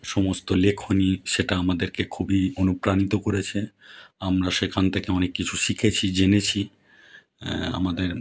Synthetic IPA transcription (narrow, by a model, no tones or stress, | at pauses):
ʃɔmost̪olekʰoniʃeʈaamad̪eɾkekʰubionupɾanit̪okoɾet͡ɕʰeamɾaʃekʰant̪ʰekeɔnekːit͡ɕʰuʃikʰet͡ɕʰid͡ʑenet͡ɕʰi | a̰mad̪eɾ